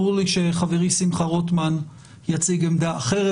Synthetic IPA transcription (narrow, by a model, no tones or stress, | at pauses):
ʁuliʃeχaveʁisimχaʁot̪man | jat͡siɡemd̪aːχeʁe